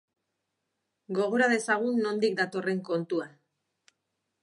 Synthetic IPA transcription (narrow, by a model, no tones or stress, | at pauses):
ɡo̞ɣ̞o̞ɾaðe̞saɣ̞unːo̞nd̪ikd̪at̪o̞re̞ŋko̞nt̪ua